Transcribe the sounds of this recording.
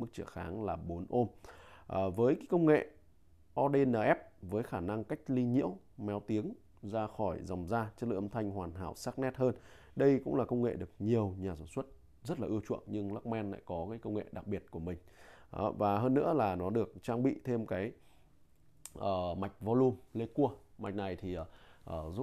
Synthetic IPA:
mɨ˦˥k̚t͡ɕɨ̰˧˩xa̰ː˨˦ŋlaː˨˩ɓo˨˦nʔo˧mʔəː˨˩vəː˨˦jka˨˦kə˧wŋ͡mŋḛ˧˨ | ʔɔ˧ɗe˧naː˨˩ʔɛ˦˥p̚vəː˨˦jxaː˧˩na˧ŋka˦˥jk̟̚li˧ɲḭ˧˥əw | mɛ˨˦wt̪i˨˦əŋ | zaː˧xɔ˧˩jza˨˩wŋ͡mzaː˧t͡ɕə˦˥t̚lə̰˧˨ʔə˧nt̪ʰa˧jŋ̟hwaː˨˩nɦaː˧˩wsaː˦˥k̚nɛ˦˥t̚həː˧n | ɗə˧jkʊ̰˧˥ŋ͡mlaː˨˩kə˧wŋ͡mŋḛ˧˨ɗɨ˨˩ək̚ɲi˨˩əwɲaː˨˩saː˧˩nswə˦˥t̚ | zə˦˥t̚laː˨ʔɨ˧əwt͡ɕwə̰˧˨ənɲɨ˧ŋlaː˦˥k̚mɛ˧nla̰ː˧˨jkɔ˨˦kaː˨˦jkə˧wŋ͡mŋḛ˧˨ɗa˨˩k̚ɓi˨˩ət̚ku˧˩əmï˨˩ŋ̟ | ʔvaː˨˩ɦəː˧nːɨ̰˧˥əlaː˨˩nɔ˨˦ɗɨ˨˩ək̚t͡ɕaː˧ŋɓḭ˧˨t̪ʰe˧mkaː˨˦j | ʔəː˨˩ma˨˩jk̟̚vɔ˧lu˧mle˧ku˧əma˨˩k̟̚na˨˩jt̪ʰi˨˩ʔəː˨˩ʔəː˧˩zu˦˥

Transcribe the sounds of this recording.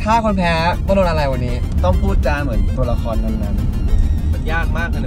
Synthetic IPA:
t̪ʰaː˥˩kʰo˧npʰɛː˦˥bno˧nʔa˧ɾa˧jwa˧nːiː˦˥t̪ɔ˥˩ŋpʰuː˥˩t̪̚t͡ɕaː˧mɯ˩˦nt̪u˧ɐla˧kʰɔː˧nːa˥˩nːa˦˥n | ma˧jaː˥˩k̚maː˥˩k̚na˧˥

